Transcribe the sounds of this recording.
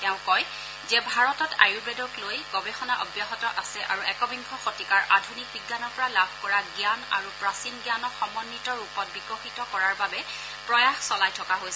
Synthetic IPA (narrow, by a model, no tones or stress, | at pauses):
ɛʊ̃kɔj | zɛbʱaɹɔtɔta̰jubɛdɔklojɡɔbɛxɔnaʔɔ̰bjaɦɔtɔʔasɛʔa̰ɹuɛkɔbiŋɡʱɔxotikaɹʔadʱunik̚biɡːanɔɹpɔɹalabʱkɔɹaɡjana̰ɹupɹasinɡjanɔxɔmɔnːitɔɹupɔt̚biɡɔxitɔkɔɹaɹbabɛ | pɹɔjaxsɔlajtʰɔkaɦojsɛ